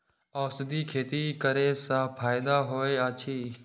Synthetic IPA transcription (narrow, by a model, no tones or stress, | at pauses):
ɔːsɪd̪iːkʰeːt̪iːkəɾeːsãːpʰaːɪd̪aːɦoːeːaːt͡ʃʰiː